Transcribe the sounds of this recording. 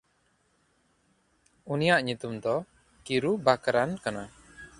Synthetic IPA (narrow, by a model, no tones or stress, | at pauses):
unijaʔɲut̪umd̪ɔ | kiɾubakaɾankana